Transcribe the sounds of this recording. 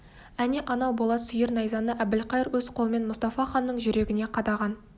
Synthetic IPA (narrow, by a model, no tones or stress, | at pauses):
æneʔɑnɑwbo̞lˠɑt̪sʏjəɾnɑjzɑnəʔæbd̪ɪlqɑjəɾwɵz̥qʰo̞lˠme̞nmʊst̪ɑfɑχɑnːəɴʒʏɾe̞ɡʲɪne̞qʰɑd̪ɑʁɑn